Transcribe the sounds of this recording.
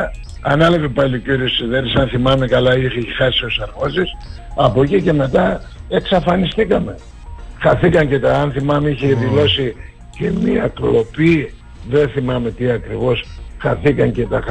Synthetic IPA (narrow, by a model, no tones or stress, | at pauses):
ɐnɐlɐvepɐliociɾiossiðeɾisɐnθimɐme̞kɐlɐiçexɐsio̞sɐɾɣozis | ɐpo̞cice̞me̞t̪ɐ | e̞ksɐfɐnist̪ikɐme̞ | xɐθikɐɲce̞t̪ɐɐnθimɐmeiçeðilo̞si | ce̞miɐklo̞pi | ðenθimɐme̞t̪iɐkɾivo̞sxɐθikɐɲce̞t̪ɐx